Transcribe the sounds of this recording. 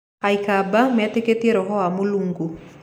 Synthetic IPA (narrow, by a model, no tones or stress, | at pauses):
ajkabamɛt̪eket̪ieɾɔɦɔamuluŋɡu